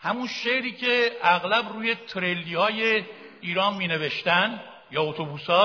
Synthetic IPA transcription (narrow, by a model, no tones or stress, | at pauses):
hæmunʃeʔɾiːcʰe̞æɣlæbruːje̞t̪ʰɾelːiːhɒːje | iːɾɒːnmiːne̞ve̞ʃt̪ænd̪ | jɒːot̪ʰobuːsɒː